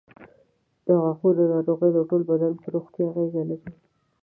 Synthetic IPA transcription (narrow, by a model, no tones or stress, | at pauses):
d̪̥əɣaxuɾd̪ənɑɾoɣəjd̪əʈolbad̪anpəɾoxt̪jaɣezalaɾi